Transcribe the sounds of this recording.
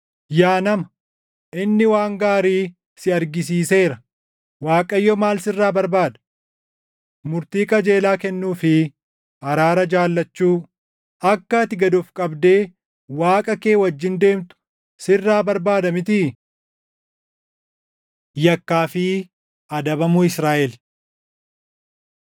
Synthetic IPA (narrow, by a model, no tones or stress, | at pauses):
jaːnɐmɐ | ʔɪnːɪwaːŋɡaːɾiː | sɪɐɾɡɪs̬iːse̞ːɾɐ | waːkʼɐjːɔmaːlsɪrːaːbɐɾbaːd̪ɐ | mʊɾt̪iːkʼɐd͡ʒe̞ːlaːkɛnːuːfɪ | ɐɾaːɾɐd͡ʒaːlːɐt͡ʃːuː | ɐkːɐt̪ɪɡɐd̪ʊfkʼɐbd̪e̞ː | waːkʼɐke̞ːwɐd͡ʒːɪnd̪e̞ːmt̪ʊ̥ | sɪrːaːbɐɾbaːd̪ɐmɪt̪ɪ | jɐkːaːfɪ | ʔɐd̪ɐbɐmʊɪsɾaːʔɛl